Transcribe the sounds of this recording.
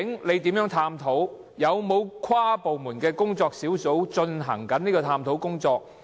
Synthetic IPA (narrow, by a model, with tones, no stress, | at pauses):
ɪ˨˥ŋle˨˧jt̪i˨˥mjœː˨˥ŋt̪ʰaː˧mt̪ʰo˨˥w | jɐ˨˧wmo˨˧wkʰwaː˥po˨wmuː˨˩nkɛː˧kʊ˥ŋt͡sɔː˧k̚siː˨˥wso˨˥wt͡ʃɵ˧nɦɐ˨˩ŋkɐ˨˥niː˥kɔː˧t̪ʰaː˧mt̪ʰo˨˥wkʊ˥ŋt͡sɔː˧k̚